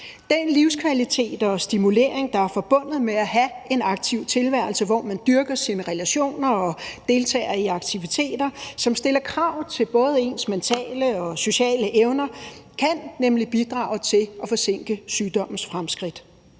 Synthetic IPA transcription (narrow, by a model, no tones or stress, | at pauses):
d̥enliʊskʰʋælit͡sʰe̝̰ːd̥ɒ̽sd̥imule̝̰ːɐ̰eŋd̥ɑ̈æɐfɒ̽b̥ɔ̽n̰ð̩ˠmeæɦæe̝nɑ̈ɡ̥t͡sʰiʊ̰t͡sʰe̝lʋæɐ̰l̩səʋɒ̰ːmænd̥yɐɡ̥ɐsinəʁɛlæɕo̝̰ːnɐɒ̽d̥e̝ːlt͡sʰɛ̰ːɐiɑ̈ɡ̥t͡sʰiʋit͡sʰe̝̰ːd̥ɐsɒ̽msd̥e̝lɐkʰʁɑ̈ʊ̰t͡sʰe̝lb̥ɔ̽ːð̞ˠe̝ːnsment͡sʰɛ̰ːləɒ̽so̝ɕɛ̰ːləʔeʊnɐkʰænːemlib̥id̥ʁɑ̰̈ːʊt͡sʰe̝lɒ̽fɒ̽se̝ŋ̰ɡ̥əsyːd̥ɒ̽m̰n̩sfʁamsɡ̥ʁid̥